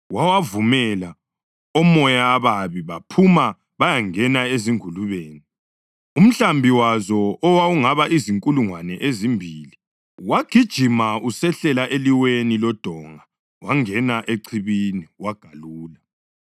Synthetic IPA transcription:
wawavumɛla | ɔmɔjaːβaβiβapʰuma | βajaŋɛnaeziŋuluβeːni | um̩ɬambʱiwazɔɔwauŋaβaʔiziŋkʼuluŋwanɛʔezimbʱili | waɡ̥ʱid̥ʒ̥ʱimausɛɬɛlaʔeliwenilɔd̥ʱɔŋa | waŋɛnaʔeǀʰiβiniwaɡ̥ʱaluːla

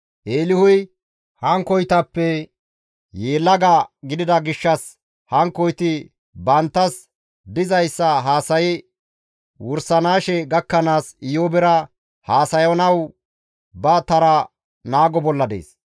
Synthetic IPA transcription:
ʔeːlɪhʊj | hɐŋkɔjt̪ɐpːɛ | jeːlːɐɡɐɡɪd̪ɪd̪ɐɡɪʃːɐs | hɐŋkɔjt̪ɪ | bɐnt̪ːɐs | d̪ɪzɐjsːɐɦaːsɐjɪ | wʊɾsɐnaːʃɛɡɐkːɐnaːsɪjoːbɛɾɐ | haːsɐjɔnɐw | bɐt̪ɐɾɐ | naːɡɔbɔlːɐd̪ḛːs

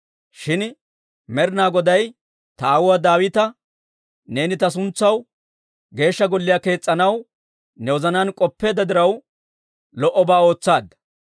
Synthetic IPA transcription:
ʃɪn | mɛɾnaːɡɔd̪ɐj | t̪ɐaːwʊwɐd̪aːwɪt̪ɐ | ne̞ːnɪt̪ɐs̬ʊnt͡sːɐw | ɡe̞ːʃːɐɡɔlːɪjaːke̞ːt͡sʼːɐnɐw | nɛwɔzɐnankʼɔpːe̞ːd̪ɐd̪ɪɾɐw | lɔʔɔbaːo̞ːt͡sːaːd̪ɐ

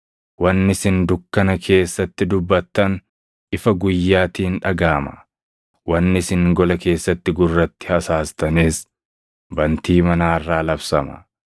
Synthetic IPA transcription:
wɐnːɪsɪnd̪ʊkːɐnɐkʰe̞ːsːɐt̪ːɪd̪ʊbːɐt̪ːɐn | ʔɪfɐɡʊjːaːt̪iːnᶑɐɡaːmɐ̥ | wɐnːɪsɪŋɡɔlɐke̞ːsːɐt̪ːɪɡʊrːɐt̪ːɪ̥hɐsaːst̪ɐneːs | bɐnt̪iːmɐnaːɪrːaːlɐfsɐmɐ̰

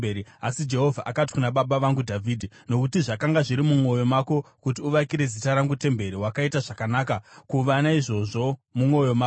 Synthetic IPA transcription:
eɾiasid͡ʒe̞ɦo̞vʱaʔakati̥kunaɓaɓaʋaŋɡudʱavʱidʱino̞kutiʐakaŋɡaʐiɾimumwo̞jo̞mako̞kutiuʋakiɾe̞zitaɾaŋɡute̞mbe̞ɾiwakaitaʐakanaːkakuʋanaiʐo̞ʐo̞mumo̞joma

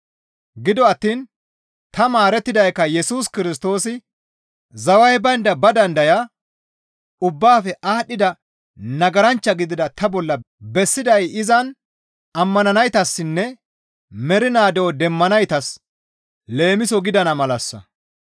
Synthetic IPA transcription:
ɡɪd̪ɔɐt̪ːiːn | t̪ɐmaːɾɛt̪ːɪd̪ɐjkːɐjɛsuːskɪɾɪs̬t̪o̞ːsɪ | zɐwɐjbɐnd̪ɐbɐd̪ɐnd̪ɐjɐ | ʊbːaːfɛʔaːɗːɪd̪ɐ | nɐɡɐɾɐnt͡ʃːɐɡɪd̪ɪd̪ɐt̪ʰɐbɔlːɐ | bɛsːɪd̪ɐjɪzɐn | ɐmːɐnɐnɐjt̪ɐsːɪnːɛ | mɛɾɪnaːd̪ɛwɔd̪ɛmːɐnɐjt̪ɐs | le̞ːmɪsɔɡɪd̪ɐnɐmɐlɐsːɐ̰

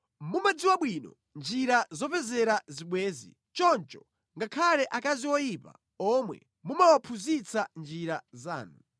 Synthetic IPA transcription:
mumad͡ziwaɓwiːnɔ̰ | nd͡ʒiɾazɔpɛzɛɾaziɓwɛːzḭ | t͡ʃɔnt͡ʃɔ̥ | ŋɡakʰalɛʔakaziwɔjipa̰ | ɔmwɛ̰ | mumawapʰuzit͡sand͡ʒiɾaza̰ːnu

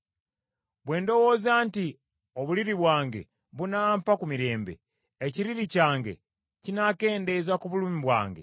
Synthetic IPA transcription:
βwe̞ːndo̞wo̞ːzaːnti | oβuliɾiβwaːŋɡe̞̰ | βunampakumiɾe̞ːmbe̞̰ | eciɾiɾicaːŋɡe̞̰ | cinake̞ːnde̞zakuβuluːmiβwa̰ːŋɡe̞̰

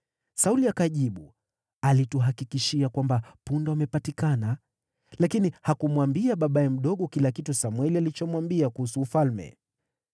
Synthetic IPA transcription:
sauliakaʄiɓu | alituɦakikiʃiakwambapundɔamɛpatikana | lakinihakumwambiaɓaɓaɛm̩ɗɔɠɔkilakitusamwɛlialit͡ʃɔmwambiakuhusuːfalmɛ̰

